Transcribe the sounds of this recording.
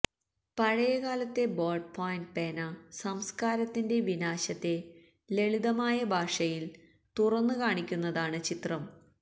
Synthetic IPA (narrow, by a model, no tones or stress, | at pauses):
pɐɻɐjɐɣaːlɐt̪ːe̞boːɖ̚pʰoːjnɖ̚peːnɐsɐmskaːɾɐt̪ːinde̞ʋinaːɕɐt̪ːe̞ | le̞ɭiðɐmaːjɐbʱaːʂɐjil | t̪urɐnːɨkaːɳikʲːunːɐðaːɳɨt͡ɕit̪rɐm